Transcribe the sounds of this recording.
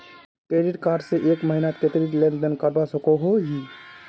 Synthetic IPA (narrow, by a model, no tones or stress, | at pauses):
kɾeɖiʈkaɾɖseʔekməɦinat̪ket̪ɾilẽnd̪ənkəɾbasəkoɦoɦi